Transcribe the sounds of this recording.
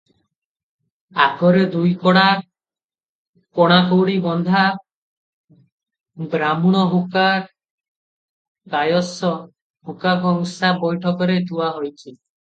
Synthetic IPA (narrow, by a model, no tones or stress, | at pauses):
akʰɔɾed̪ujkɔɽ̃a | koɽ̃akowɽibɔnd̪ʱa | bɾamuɽ̃ɔɦuka | kajɔsɔ | hukakɔŋusabɔjʈʰɔkɔɾet̪uaɦojt͡ʃʰi